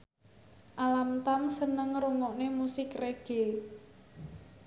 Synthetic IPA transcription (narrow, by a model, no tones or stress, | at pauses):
ʔalamt̪amsənəŋruŋɔʔnemusɪkreɡ̥e